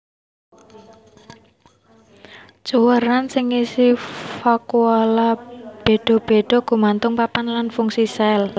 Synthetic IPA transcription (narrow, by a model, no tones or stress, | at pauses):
t͡ʃuwəɾansɪŋisifakualab̥e̤ɖ̥ɔ̤b̥e̤ɖ̥ɔ̤ɡ̥ṳmant̪ʊŋpapanlanfuŋsisaɛl